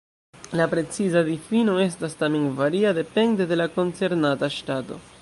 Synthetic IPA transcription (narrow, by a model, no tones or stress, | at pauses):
lapɾe̞t͡sizadifino̞e̞s̬tastamenvaɾiade̞pe̞nde̞de̞lako̞nt͡se̞ɾnataʃtato̞̰